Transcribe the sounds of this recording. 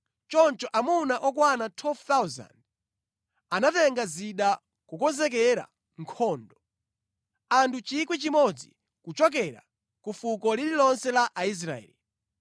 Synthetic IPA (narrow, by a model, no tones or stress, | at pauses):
t͡ʃɔnt͡ʃɔʔamunaʔɔkwanatʰwɛlvt̪awza̰nd | anatɛŋɡaziɗa | kukɔnzɛk̬ɛɾa̰ | ŋkʰɔːndɔ | antʰut͡ʃik̬wit͡ʃimɔd͡zḭ | kut͡ʃɔk̬ɛɾa̰ | kufukɔlililɔnsɛlaʔais̬ɾa̰ɛ̰ːli